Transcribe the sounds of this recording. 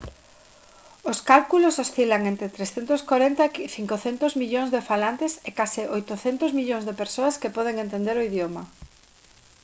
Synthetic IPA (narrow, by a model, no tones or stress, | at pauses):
oskalkulososθilaŋent̪ɾɪt̪ɾesθent̪ʊskoɾent̪ɐeθiŋkoθent̪ʊzmiʎoŋzðefalant̪ɪsekasɪʔojt̪oθent̪ʊzmiʎoŋzðepeɾsoɐskepɔðeŋẽnt̪end̪eɾoiðjomɐ